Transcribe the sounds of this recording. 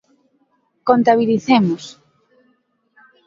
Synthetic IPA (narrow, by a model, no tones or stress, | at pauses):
kont̪aβ̞iliθemʊs